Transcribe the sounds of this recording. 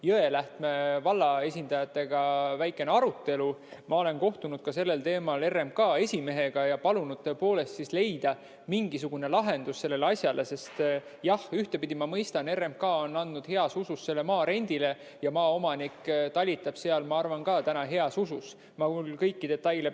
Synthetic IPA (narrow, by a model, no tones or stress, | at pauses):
jɤe̞læht̪me̞vɑlːɑe̞sʲind̪ɑjɑt̪ːˑe̞ɡ̥ɑvæjkːˑe̞neɑɾut̪ːˑe̞lumɑo̞le̞nko̞ht̪unud̪̥̚kɑse̞lːe̞lt̪e̞ːmɑle̞rːe̞mkɑːe̞sʲime̞ɦe̞ɡ̥ɑjɑpɑlunud̪̥̚t̪ːøepo̞ːle̞st̪sisle̞jd̪̥ɑ | miŋɡisuɡ̥une̞lɑɦe̞nd̪̥usse̞lːe̞leɑsʲjɑlʔe̞se̞st̪ | jɑhyht̪e̞pid̪̥imɑmɤjst̪ɑne̞rːemkɑːo̞nːɑnd̪nud̪̥he̞ɑsususːe̞lːe̞mɑːɾe̞nʲd̪̥ile̞ | jɑmɑːo̞mɑnikːt̪ɑlʲːit̪ːˑɑb̥se̞ɑlmɑɑrvɑnkɑːt̪ænɑɦe̞ɑsusus | mɑulkɤjkːid̪̥e̞t̪ːˑɑjle̞